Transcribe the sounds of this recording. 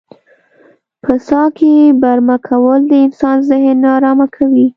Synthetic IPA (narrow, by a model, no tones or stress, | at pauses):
pʰəsɑkebaɾmakʰawəld̪əɪnsɑnzɪhenɑɾɑmakʰawi